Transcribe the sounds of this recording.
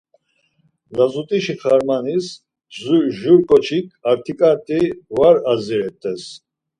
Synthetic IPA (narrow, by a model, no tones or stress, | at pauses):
zazut̪ʼiʃiχaɾmanis | zuʒuɾkʼɔt͡ʃʰikʰaɾt̪ʰikʼaɾt̪ʼiwaɾazɛɾɛt̪ʼɛs